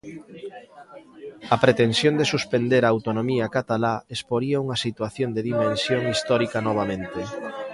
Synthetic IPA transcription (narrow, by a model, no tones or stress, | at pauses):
ɐpɾet̪ensjond̪esuspend̪eɾaːwt̪onomiɐkat̪alaespoɾiɐuŋɐsit̪waθjond̪eðimẽnsjoŋist̪ɔɾikɐnɔβ̞amẽnt̪e